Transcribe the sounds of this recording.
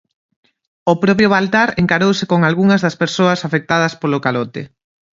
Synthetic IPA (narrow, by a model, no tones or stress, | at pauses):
ʊpɾɔp̬jʊβalt̪aɾeŋkaɾowsɪkoŋalɣuŋɐzðɐspeɾsoɐsafek̚t̪aðɐspolʊkalɔt̪ḛ